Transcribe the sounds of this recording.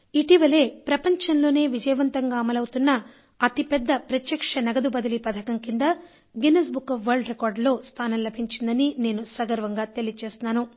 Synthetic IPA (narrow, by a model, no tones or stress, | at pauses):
iʈiʋɐle̞ːpɾɐpɐɲt͡ʃɐnlo̞ːne̞ːʋid͡ʒɐjɐʋɐnt̪ɐŋɡaːmɐlɐwut̪unːɐ | ɐt̪ipɛd̪ːɐpɾɐt̪jɐkʂɐnɐɡɐd̪ubɐd̪ɐlipɐd̪ʰʱɐkɐŋkind̪ɐ | ɡenes̬bukːɐfʋɐɾɖɾekaːɾɖlo̞ːst̪ʰaːnɐmlɐbʱiɲt͡ʃind̪ɐnine̞ːnusɐɡɐɾʋɐŋɡaːt̪e̞lit͡ʃeːst̪unaːnu